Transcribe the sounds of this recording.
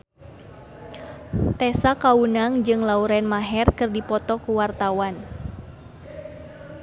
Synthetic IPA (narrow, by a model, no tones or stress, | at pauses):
t̪ɛsakaunaŋd͡ʒɨŋlauɾɛnmaɦɛrkɨrdipɔt̪ɔkuwart̪awan